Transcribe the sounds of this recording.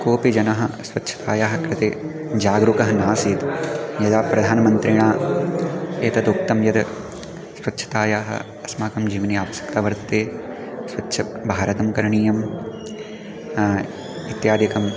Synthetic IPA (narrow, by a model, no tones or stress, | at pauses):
koːpid͡ʒɐnɐɦɐ̆sʋɐtːʃʰɐ̥t̪ʰaːjaːɦɐkɾɪt̪eː | d͡ʒaːɡɾukɐɦɐnaːsiːt̪jɐd̪aːpɾɐd̪ʱaːnɐmɐnt̪ɾiɳaː | eːt̪ɐd̪uk̚t̪ɐmjɐd̪ɐ | sʋɐtːʃʰɐ̥t̪aːjaːɦɐ̰ | ɐsmaːkɐmd͡ʒiːʋɐniaːʋɐsjɐ̥kt̪ɐʋɐɾt̪ːeːsʋɐtːʃʰɐbʱaːɾɐt̪ɐmkɐɾɐɳiːjɐm | it̪jaːd̪jɐkɐm